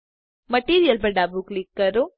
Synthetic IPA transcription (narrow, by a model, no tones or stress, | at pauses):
mɐʈiːɾijəlpɐɖaːbuklikːɐɾo